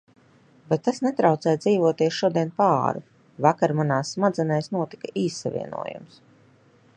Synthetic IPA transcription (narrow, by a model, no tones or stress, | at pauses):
bet̪̚tːasnet̪ɾawt̪sɛːjd̪ziːvuɔt̪iɛsʃuɔd̪iɛnpaːɾṵ | vakaɾmanaːsːmad̪zɛnɛjsnuɔt̪i̥kaʔiːsːavʲḭɛnṵɔjṵms